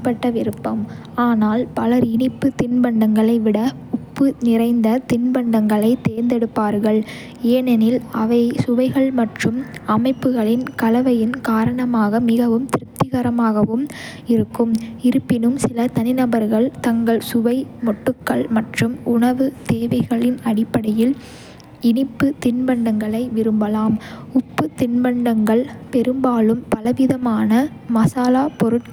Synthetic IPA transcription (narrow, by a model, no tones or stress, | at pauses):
pːɐʈːɐʋɪɾɯpːɐm | aːnaːlpɐlɐɾɪɳɪpːɯt̪ɪnbɐɳɖɐŋɡɐɭɐɪʋɪɽɐ | ʊpːɯnɪrɐɪnd̪ɐt̪ɪnbɐɳɖɐŋɡɐɭɐɪt̪eːɾnd̪ɛɽɯpːaːɾɣɐɭ | eːnɛnɪlɐʋɐɪsʊʋɐɪɣɐɭmɐʈrɯmɐmɐɪpːɯɣɐɭɪnkɐlɐʋɐjɪnkaːɾɐɳɐmaːɣɐmɪɣɐʋɯmt̪ɪɾɯp̚t̪ːɪɣɐɾɐmaːɣɐʋɯm | ɪɾɯkːɯmɪɾɯpːɪnɯmsɪlɐt̪ɐnɪnɐbɐɾɣɐɭt̪ɐŋɡɐɭsʊʋɐɪmɔʈːɯkːɐɭmɐʈrɯmʊɳɐʋɯt̪eːʋɐɪɣɐɭɪnɐɽɪpːɐɽɐjɪl | ɪnɪpːɯt̪ɪnbɐɳɖɐŋɡɐɭɐɪʋɪɾɯmbɐlaːmʊpːɯt̪ɪɳbɐɳɖɐŋɡɐɭpɛɾɯmbaːlɯmpɐlɐʋɪðɐmaːnɐ | mɐsaːlaːpɔɾɯʈ